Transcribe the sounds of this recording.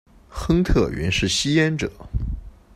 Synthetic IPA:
xɤ˥ŋt̪ʰɤ˥˩ɥɛ̰˧˥nʂɻ̩˥˩ɕi˥jɛ˥nʈ͡ʂɤ˨˩˦

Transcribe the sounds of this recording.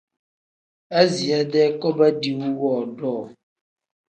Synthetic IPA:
a˦zi˨a˨˦dɛ˦kɔ˦ba˦di˨wu˦wɔː˦˨dɔː˦˨

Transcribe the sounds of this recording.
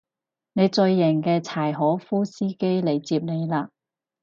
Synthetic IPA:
ne˨˧jt͡sɵ˧ɥːɪ˨˩ŋkɛː˧t͡sʰaː˨˩jɦɔː˨˥fuː˥siː˥ke˥jle˨˩jt͡siː˧p̚ne˨˧jlaː˧

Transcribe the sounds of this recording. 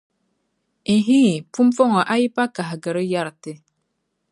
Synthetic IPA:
i˨ɦi˦ŋi˨pu˦m˦fɔ˦ŋɔ˨ʔa˦ji˦pa˦ka˨ɦɡə˨ɾə˦ja˦˨ɾte˦

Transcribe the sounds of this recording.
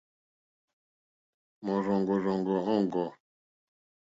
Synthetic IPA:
mɔ̃˨zɔ̃˨ŋɡɔ˨zɔ̃˨ŋɡɔ˨ɔ̃˦˨ŋ˨ɡɔ˨

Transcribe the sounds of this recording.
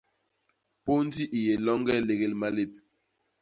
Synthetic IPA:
po˦n˦ti˦ʔi˨je˨lɔ˦ŋɡɛ˦le˨ɣe˦˨lma˦le˦˨p̚

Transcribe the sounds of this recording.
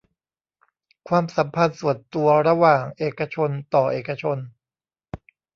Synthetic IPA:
kʰwaː˧msa˩˦mpʰa˧nsu˨˩ənt̪u˧ɐɾa˧waː˨˩ŋʔeː˨˩kːa˧t͡ɕʰo˧nt̪ɔː˨˩ʔeː˨˩kːa˧t͡ɕʰo˧n

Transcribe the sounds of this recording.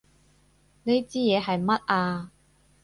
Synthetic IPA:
ne˥jt͡siː˥jɛː˨˧ɦɐ˨jmɐ˥t̚ʔaː˧

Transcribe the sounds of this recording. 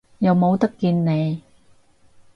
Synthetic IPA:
jɐ˨wmo˨˧wt̪ɐ˥kːiː˧nne˨˧j

